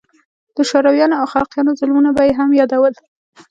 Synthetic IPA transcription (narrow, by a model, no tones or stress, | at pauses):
d̪̥əʃoɾawjɑnoawxalqjɑnozʊlmunabajeɦamjɑd̪awəl